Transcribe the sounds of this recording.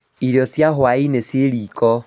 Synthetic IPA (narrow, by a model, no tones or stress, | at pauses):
iɾjɔsjaɦwaineseɾiːkɔ